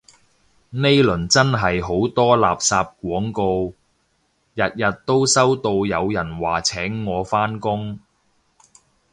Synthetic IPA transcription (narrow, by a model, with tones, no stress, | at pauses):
ne˥jlɵ˨˩nt͡sɐ˥nɦɐ˨jɦo˨˥wt̪ɔː˥laː˨p̚saː˧p̚k̚ʷɔː˨˥ŋko˧w | jɐ˨t̚jɐ˨t̚t̪ːo˥wsɐ˥wt̪o˧wjɐ˨˧wjɐ˨˩nwaː˨˩t͡sʰɛː˨˥ŋːɔː˨˧faː˥nkʊ˥ŋ